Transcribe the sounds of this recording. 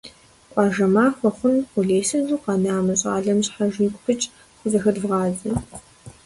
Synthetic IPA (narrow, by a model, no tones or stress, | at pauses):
qʷʼɑːʒɐmaːxʷɔχʷʊnqʷʊɮeːsɐnzʷuːqɑnaːmɐɕʼa̰ːɮɐmɕħaʒiːkʷʼxʰɨt͡ʃʼ | xʷʊzɐxɐdvʁɑːzɐ